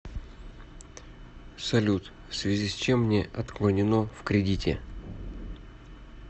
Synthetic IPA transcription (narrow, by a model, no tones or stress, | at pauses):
sɐlʲut̪ | fsvʲɪzʲisʲt͡ɕemːnʲeʔɐt̪klˠənʲɪnofkɾʲɪdʲitʲɪ̰